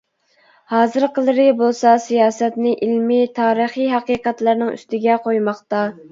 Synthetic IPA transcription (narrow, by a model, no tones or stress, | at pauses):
hɑːzɨɾqʰəlˠɨɾɪbolˠsɑsijɑːsɛt̪nɪʔilmit̪ʰɑːɾəχiɦɑqiːqɑt̪lˠɑɾnɨŋy̰st̪ɪɡʲɛqʰojmɑχt̪ɑ